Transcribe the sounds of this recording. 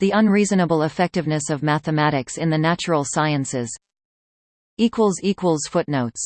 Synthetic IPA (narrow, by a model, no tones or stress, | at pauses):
ðiʌ̃nɹizɨnəbl̩ˠəfɛk̚tɨvnɨsʌvmæθɨmæɾɨksɨ̃nðɨnæt͡ʃə˞l̩ˠsaɪɨ̃nsɪz̥ | ikʰwəl̩ˠzikwəl̩ˠz̥fʊtⁿnoʊts